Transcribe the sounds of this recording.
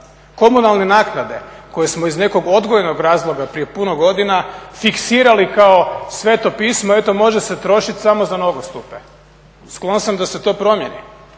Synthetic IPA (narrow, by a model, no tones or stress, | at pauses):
ko̞munalˠnenaːknad̪e̞̰ | ko̞je̞smoizne̞ko̞ɡo̞d̪ɡojeno̞ɡɾaːzlˠo̞ɡapɾije̞punoɡo̞d̪inafiksiːɾalikao̞sʋe̞t̪o̞piːsmoe̞t̪o̞mo̞ʒe̞set̪ɾo̞ʃit̪ʲsamo̞zano̞ɡost̪upḛ | sklˠo̞nsamd̪ase̞t̪o̞ːpɾo̞mje̞nḭ